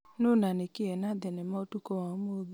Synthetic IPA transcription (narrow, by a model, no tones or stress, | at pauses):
nonanekeɛnadɛnɛmaotukowamob